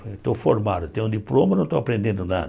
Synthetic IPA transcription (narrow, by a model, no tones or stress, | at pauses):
t̪ofoɾmad̪ʊt̪ẽj̃ũd̪iplõmɐnɐ̃t̪owapɾẽnd̪ẽnd̪ʊna̰d̪